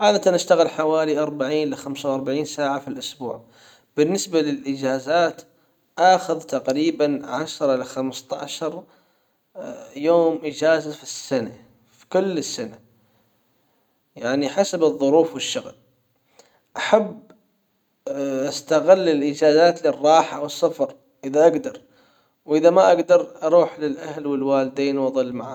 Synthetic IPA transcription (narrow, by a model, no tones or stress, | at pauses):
ʕaːd̪at̪anʔaʃt̪aɣɪlħawaːliʔɑɾˤbaʕiːnlɪxamsawʔɑɾˤbaʕiːnsaːʕafilʔʊsbṵːʕ | b̥ɪnːɪsbalɪlʔɪd͡ʒaːzaːt̪ | ʔaːxʊðt̪aqɾiːbanʕaʃɾˤʔɪlaxamst̪a̰ʕʃɑɾˤ | joːmʔɪd͡ʒaːzafi̥sːana | fi̥kʊlːɪsːana | jaʕniħasabɨðˤːʊɾuːfwɪʃːʊɣl | ʔaħab | ʔast̪aɣɪlːɪlʔɪd͡ʒaːzaːt̪lɪrˤːɑːħawɨsˤːɑfɾ | ʔɪðaʔaɡd̪ɑɾˤ | wʔɪðamaʔaɡd̪ɑɾˤʔɑɾˤuːħlɪlʔahlwɪlwaːlɪd̪eːnwʔɑðˤɨlːmaʕa̰